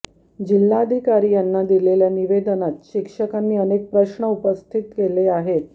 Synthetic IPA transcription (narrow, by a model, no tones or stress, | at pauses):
d͡ʑilːaəd̪ʱikaɾiːjanːad̪ileljaniʋed̪ənat̪ɕikʂəkanːiːənek̚pɾəɕɳəupəst̪ʰit̪keleaɦet̪